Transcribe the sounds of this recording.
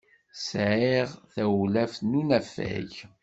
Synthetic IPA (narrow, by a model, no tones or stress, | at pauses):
sʕiʁθæwlæfnunæfæ̰ʝ